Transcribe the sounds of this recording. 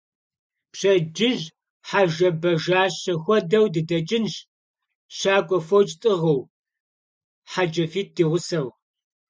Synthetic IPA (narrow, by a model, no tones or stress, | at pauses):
pɕɐd͡ʒɪʑ | ħaʒɐbɐʒaːɕɐxʷɔdɐwdɨdɐt͡ʃʼɪnʒ | ʃaːɡʷʼɔfowt͡ʃʼtʼɨʁɐw | ħad͡ʒɐfiːt̚d̥iːʁʷʊsɐw